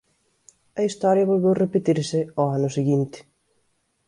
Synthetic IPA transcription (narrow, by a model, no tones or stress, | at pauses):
ɐist̪ɔɾjɐβolβewrepet̪iɾsɪɔanʊseɣint̪ɪ̥